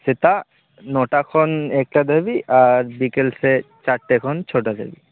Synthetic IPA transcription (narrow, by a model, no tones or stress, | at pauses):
sɪt̪a | noʈakʰɔneːk̚ʈad̪ʱəbiʔaːɾbikelset͡ʃaʈʈːekʰɔnt͡ʃʰoːʈad̪ʱə̰bi